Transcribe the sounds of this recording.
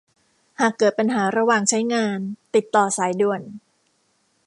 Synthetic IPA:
haː˨˩kːɤː˨˩t̪̚pa˧nɦaː˩˦ɾa˧waː˨˩ŋt͡ɕʰa˦˥jŋaː˧nt̪i˨˩t̪ːɔː˨˩saː˨˩˦jdu˨˩ən

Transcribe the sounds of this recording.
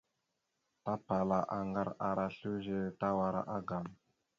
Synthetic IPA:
ta˦pa˨la˨ʔa˨ŋɡa˦ɾa˨ɾa˨ɬu˦ʒe˦ta˦wa˨ɾa̰˦ʔa˦ɡa˨m

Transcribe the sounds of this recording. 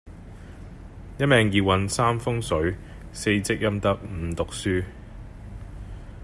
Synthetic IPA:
jɐ˥t̚mɛː˨˧ŋjiː˨wɐ˨˧nsaː˥mfʊ˥ŋsɵ˨˥ɥ | se˧jt͡sɪ˥k̚jɐ˥mt̪ɐ˥k̚m̩ː˨˩˦t̪ʊ˨k̚syː˥

